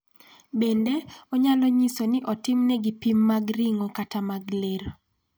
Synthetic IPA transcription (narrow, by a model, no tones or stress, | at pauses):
bendeɔɲalɔɲisonɪʔɔtɪmnɛɡipimːaɡriŋokatamaɡleɾo